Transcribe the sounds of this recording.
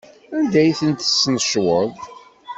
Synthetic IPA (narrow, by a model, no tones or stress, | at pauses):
ænd̪æjθənt̪ə̥sːnəʃwəðˤ